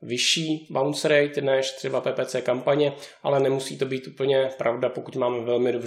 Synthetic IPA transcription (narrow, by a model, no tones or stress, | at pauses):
vɪʃiːbawnsɾɛjt̪nɛʃt̪r̥ɛbapɛːpɛːt͡sɛːkampaɲɛʔa̰lɛnɛmusḭːt̪o̞biːt̪ʔuːpl̩ɲɛpɾʔavdapokut̪maːmɛvɛlmɪdobr